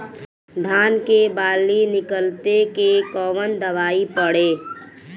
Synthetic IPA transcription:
d̪ʱaːnkebaːlːinɪkəlt̪ekekɔːʋənd̪əʋaːipəɽeː

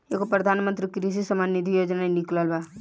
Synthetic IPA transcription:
ekopɾəd̪ʱaːnmə̃nt̪ɾikɾis̬isəmanid̪ʱijoːd͡ʒnainikləlba

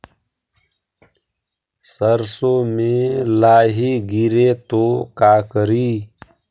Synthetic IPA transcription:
səɾsoːmẽːlaːɦiːɡiɾeːt̪oːkaːkəɾiː

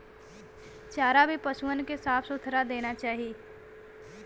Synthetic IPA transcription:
t͡ʃaːɾabʱipəsuənkesaːpʰsʊt̪ʰɾad̪eːnat͡ʃaːɦieː

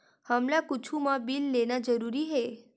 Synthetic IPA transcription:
həmlakut͡ʃʰumãbilːenad͡ʒəɾuɾiɦe

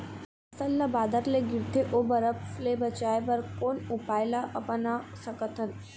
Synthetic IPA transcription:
əsəlːabad̪əɾleɡiɾt̪ʰeʔobəɾəplebət͡ɕajʋəɾkonupajlaʔəpənasəkət̪ʰən

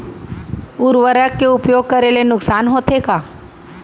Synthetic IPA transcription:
ʊɾʋəɾəkːeʊpjoːɡ̚kɐɾelenʊksaːnɦoːt̪ʰekaː

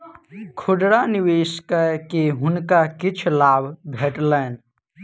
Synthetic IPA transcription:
kʰʊɖɽaniweːskəkeɦʊnkakit͡ʃʰlaːbʱbʱeʈləːn

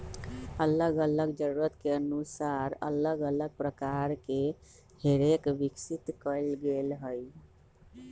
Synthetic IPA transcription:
ələɡələɡd͡ʒəɾuɾət̪keənusaɾə̰ləɡələɡ̚pɾəkaɾke | heɾekbiksit̪kəɪlɡelɦəj

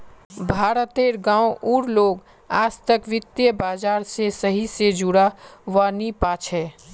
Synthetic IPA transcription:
bʱaːɾət̪eːɾɡãːwʔuːɾloːɡ | aːd͡ʒt̪əkʋɪt̪jəbaːd͡ʒaːɾsesəɦised͡ʒuɽaʋanipaːt͡ʃʰɛ

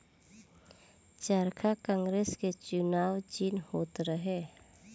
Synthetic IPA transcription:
t͡ʃaɾkʰakãːŋɡɾeːsket͡ʃʊnaːwd͡ʒɪnhoːt̪ɾəɦeː

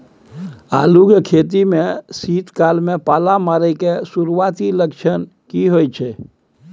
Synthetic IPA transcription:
aluɡkʰet̪̬imesit̪kalmepalamaɾəjkesuɾuʋat̪iləkt͡ʃʰən | kiɦojt͡ʃʰɛ

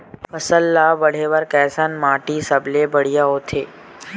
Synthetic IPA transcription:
fəsəlːaːʋəɽ̤eːʋəɾkɛːsənmaːʈiːsəblebəɽ̤ijaoːt̪ʰeː

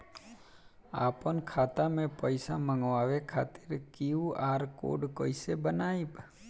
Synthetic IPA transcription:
apənkʰat̪amẽpəjsaməŋɡʋaʋekʰat̪ɪɾkiũʔaɾko̰ɖkəisebənaip

